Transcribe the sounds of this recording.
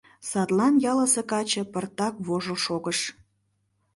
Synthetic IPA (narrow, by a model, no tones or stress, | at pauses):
sɑt̪lɑnjɑləsekɑt͡ɕə̆pərt̪ɑkβoʒoʃoɣəʃ